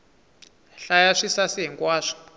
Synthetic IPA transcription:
ɬajaʂisasiɦiŋkʼwaːʂi̥

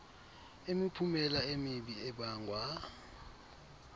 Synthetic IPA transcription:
emipʰumɛlaemiɓiɛɓaːŋɡʱwa

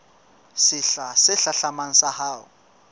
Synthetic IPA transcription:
sɪɬasɪɬaɬamaŋ̩sahaːʊ̰

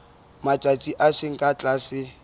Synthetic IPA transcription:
matʼat͡sʼiʔasɪŋ̩kʼat͡ɬʼasɪ

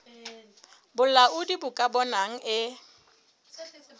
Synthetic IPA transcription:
bʊl̩laʔʊdibʊkʼabɔnaŋ̩ʔɪ

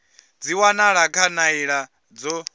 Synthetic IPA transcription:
d͡ziwanaɺakʰanaiɺa | d͡zɔ

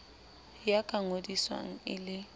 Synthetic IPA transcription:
jakʼaŋodiswa̰ŋ̩ɪ̰lɪ

